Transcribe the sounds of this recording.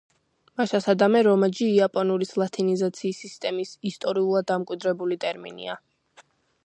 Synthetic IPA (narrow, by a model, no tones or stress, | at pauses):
maʃasad̪amɛɾɔmad͡ʒiːapʼɔnuɾislˠat̪ʰinizat̪sʰiːsːist̪ʼɛmisist̪ʼɔɾiulˠad̪dːamkʼwid̪ɾɛbulit̪ʼɛɾmḭnḭa